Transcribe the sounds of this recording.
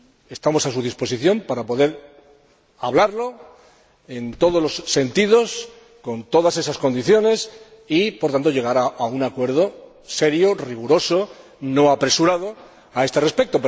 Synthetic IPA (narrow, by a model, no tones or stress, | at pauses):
e̞st̪amo̞sas̬uð̞ispo̞s̬iθjo̞mpaɾapo̞ðe̞ɾ | aβlaɾlo̞ | e̞nt̪o̞ð̞olo̞sːe̞nt̪ið̞o̞s | ko̞nt̪o̞ðase̞sasko̞nd̪iθjo̞ne̞s | ipoɾt̪ant̪o̞ʝe̞ɣ̞aɾaaunakwe̞ɾð̞o̞ | se̞ɾjoriɣ̞uɾo̞so̞ | no̞apɾe̞suɾaðo̞ | ae̞st̪ere̞spe̞k̚t̪o̞p